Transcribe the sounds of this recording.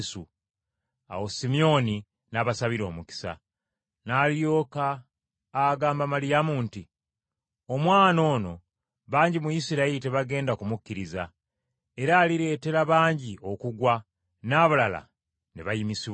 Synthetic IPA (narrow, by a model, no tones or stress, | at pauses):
su | a̰wosimio̞ni | naβasaβiɾo̞ːmuki̥sa̰ | naːljo̞ːkaː | ɡaːmbamalijamuːnti | o̞mwaːno̞ːno̞ | βaːɲɟimujisiɾailite̞βaɡe̞ːndakumukːiɾiza | e̞ɾaːliɾe̞ːte̞ɾaβaːɲɟio̞kuɡwa | naβalala̰ | neβajimisiβw